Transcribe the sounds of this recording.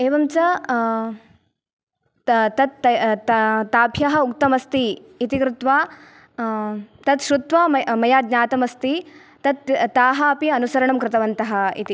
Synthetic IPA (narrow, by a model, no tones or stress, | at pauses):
eːʋɐmt͡ʃɐ | t̪ɐt̪ | t̪aːbʱjɐɦɐukt̪ɐmɐst̪iː | t̪ikɾut̪ʋaː | t̪ɐt̪ʃɾut̪ʋɐmmɐjaːd̪ɲaːt̪ɐmɐst̪i | t̪ɐt̪ːaːɦɐɐpiɐnusɐɾɐɳɐmkɾɪt̪ɐʋɐnt̪ɐɦɐḭt̪i